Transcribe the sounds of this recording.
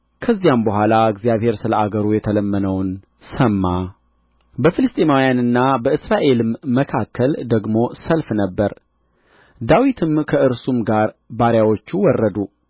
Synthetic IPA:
kʰəzːijambəɦʷalaɨɡzijaβhe̞ɾsɨləaɡəɾujɛt̪ʰələmːənəwn | səmːa | bəfɨlɨst̪ʼemawjanɨnːabəɨsɾaʔe̞lɨmːəkʰakːəld̪əɡmo̞səlfnəbːəɾ | d̪awit̪ʰɨmkʰəʔɨɾsumɡaɾbaɾjawo̞t͡ʃːuwɔrːəd̪u

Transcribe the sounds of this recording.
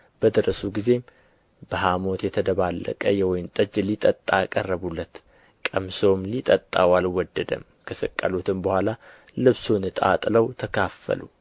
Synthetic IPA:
b̥əd̪ɨɾəsuɡize̞m | b̥əɦamo̞t̪jɛt̪ʰəd̪əβalːə̰kʼəjɛwɔjɪmt̪ʼɨd͡ʒlit̪ʼət̪ʼːaːkʼərːəβulːət̪ | kʼəmsomlit̪ʼət̪ʼːa̰walwɔd̪ːəd̪ə̰m | kʰəsəkʼːalot̪ʰɨmbəhʷala | lɨβsonɨt̪ʼa̰t̪ʼləwt̪ʰəkʰafːə̰lu

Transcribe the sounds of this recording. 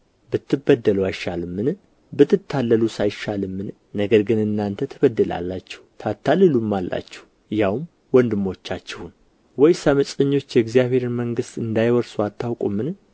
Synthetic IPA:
bɨt̪ːɨbəd̪ːəluajʃalɨmːɨn | bɨt̪ʰːɨt̪ʰːalːəlusajʃalɨmːɨn | nəɡəɾɡɨnɨnːant̪ʰət̪ʰəbəd̪ːɨla̰lːat͡ʃːɛ̥ht̪ʰat̪ʰːalɨlumːalːa̰t͡ʃːɛ̥h | ɨjawm | wɔnd̪ɨmo̞t͡ʃːat͡ʃːɛhun | wɔjsamət͡ʃʼəɲːo̞t͡ʃːjɛɡzijaβe̞ɾməŋɡɨst̪ɨnd̪ajwɔɾsuat̪ʰːawkʼumːɨn

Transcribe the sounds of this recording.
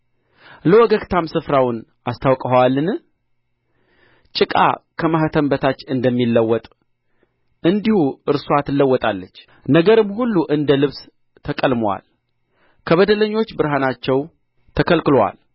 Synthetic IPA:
ləwɔɡəɡt̪ʰamsɨfɾawʊnʔast̪ʰawkʼəwalːɨn | t͡ʃʼɨkʼa̰kʰəmahət̪ʰəmbət̪ʰat͡ʃːɨnd̪əmːilːəwːɔt̪ʼ | ɨnd̪ihuɨɾsuat̪ʰɨlːəwːɔt̪ʼalːət͡ʃː | nəɡəɾɨmhulːuʔɨnd̪əlɨβs | t̪ʰəkʼəlmwa̰l | kʰəβəd̪ələɲːo̞t͡ʃːbɨɾɦanat͡ʃːɛw | t̪ʰəkʰəlkɨlwa̰l

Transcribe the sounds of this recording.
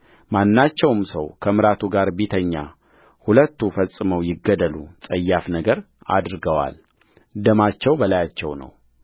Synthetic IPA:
manːat͡ʃːɛwmsə̰wkʰəmɨɾat̪ʰuɡaɾbit̪ʰəɲːa̰ | hulət̪ːufəsʼːɨməwjɪɡːəd̪əlṵsʼəjːafnəɡəɾ | a̰d̪ɾɡəwa̰l | d̪əmat͡ʃːɛwbəlajat͡ʃːɛwnə̰w

